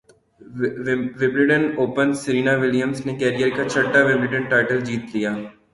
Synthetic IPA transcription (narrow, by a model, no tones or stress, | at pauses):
ʋɪbɾɪɖənoːpənsəɾiːnaʋɪlijəmsnekɛːɾijəɾkat͡ʃʰɐʈːaʋɪbɾɪɖənʈaːɪʈəld͡ʒiːt̪lijaː